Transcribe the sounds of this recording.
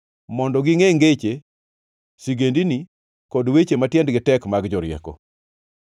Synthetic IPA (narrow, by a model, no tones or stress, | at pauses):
mɔndɔɡɪŋeŋɡet͡ʃe | siɡendini | kɔdwet͡ʃematjɛndɡɪtɛkmaɡd͡ʒɔɾɪɛ̰kɔ̰